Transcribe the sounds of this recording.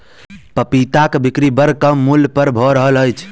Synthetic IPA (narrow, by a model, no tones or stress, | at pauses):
pəpit̪akbikɾibəɾkəmːulpəɾbʱɔɾəɦələjt͡ʃʰ